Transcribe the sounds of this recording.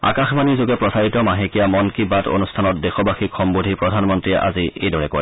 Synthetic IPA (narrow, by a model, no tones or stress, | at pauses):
a̰kaxmanizoɡɛpɹɔsaɹitɔmaɦekijamɔnkibato̰nustʰanɔt̚dexɔbaxikxɔmbodʱipɹɔdʱanmɔntɹiɛʔa̰ziejdɔɹɛko̰ɹ